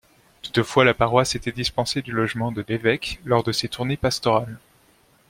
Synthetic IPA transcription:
t̪u̥t̪əfwalapaʁwaset̪ɛd̪ispɑ̃sed̪ylɔʒmɑ̃d̪əlevɛklɔʁd̪əset̪uʁnepast̪ɔʁal

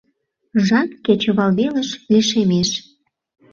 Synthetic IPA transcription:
ʒɑnket͡ɕĕβɑlβeləʃlyʃemeʃ

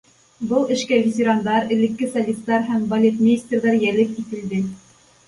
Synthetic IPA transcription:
bɤlˠɘ̆ʃkævʲɪtʲeɾand̪ɑɾɘ̆lɘ̆kːɘsɐlʲist̪ːɑɾɦæmbɐlʲet̪mʲɪɪsʲt̪ʲrðɑɾjælɘp̚it̪ɘ̆ld̪ɘ

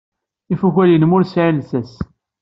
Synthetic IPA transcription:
ifuçælinmʊɾsʕilsæs

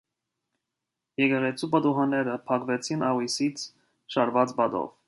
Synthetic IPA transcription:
jɛɡɛʁɛt͡sʰubɑd̪uɦɑnɛɾəpʰɑkvɛt͡sʰinʔɑʁwisit͡sʰ | ʃɑɾvɑt͡sbɑd̪ɔ̰v

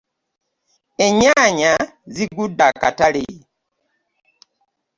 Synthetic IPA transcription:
eɲaɲaziɡudaka̰tale

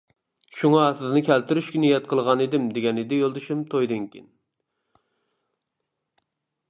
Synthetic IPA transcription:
ʃuŋɑɑθɨzɨnɨkʲʰɛlt̪ɪɾyʃkʲɛnijɛt̪̚qʰəlˠʁɑned̪ɪmd̪eɡʲɛnid̪ɪjolˠd̪ɨʃumt̪ʰojd̪ɨŋkʲʰin

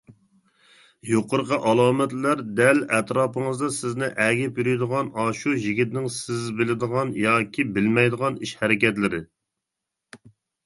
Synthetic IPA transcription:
joqʰʊɾqʰəʔɑlˠɑːmɛt̪læɾd̪ɛlɛt̪ɾɑːpəŋəzd̪ɑsɪznɪʔɛɡʲɪpjyɾɪjd̪əʁɑnɑːʃujiɡʲit̪nɪŋsɪzbɪlɪd̪əʁɑnjɑːkʲʰibɪlmɛjd̪əʁɑniʃhɛɾɪkʲɛt̪lɪɾɪ

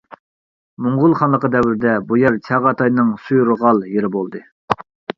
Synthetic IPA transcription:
muɴʁʊlˠχɑnlˠəqəd̪ɛwɪɾɪd̪ɛbujɛɾt͡ʃʰɑʁɑt̪ʰɑjnɨŋsujɾʁɑlˠjeɾɪbolˠd̪ɨ

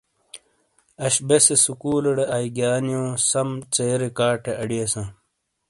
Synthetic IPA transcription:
ɐɕbesesukuːlɐɽeʔaiɡaːnjõːsɐmt͡seːɾekaːʈeʔɐɽiɐsãː

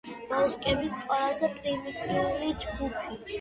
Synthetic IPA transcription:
maskʼɛbisqʼwɛlazɛpʼɾimit̪ʼiulid͡ʒɡupʰi

